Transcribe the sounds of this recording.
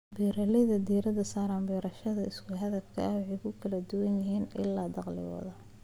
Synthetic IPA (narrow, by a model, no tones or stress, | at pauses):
biːɾɐlɛðɐd̪iːɾɐðɐsaːɾaːmbiːɾɐʃɐðɐɪskʰʊɦɐðɐfkʰɐ̰ɐʕɪkʰʊkʰɐlɐd̪ʊwɐnjɐɦiːnʔɪ̰lːaːd̪ɑqlɪ̰wɐ̰ðɐ